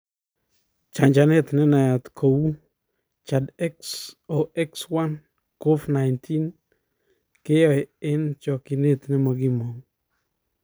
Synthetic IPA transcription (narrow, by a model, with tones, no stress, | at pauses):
t͡ʃa˨ɲt͡ʃa˨ne˦˨t̪nɪ˦na˨ja˨t̪kʰo˨wu˦ | t͡ʃa˨dɛ˦ksɔ˨ʔɛ˦kswa˦n | ko˦fna˨jntʰi˦n | kɪ˦jɔ˨jɪ˦nt͡ʃɔ˨kɪ˨ne˦˨t̪nɪ˦ma˨ɡɪ˦mɔ˨ŋ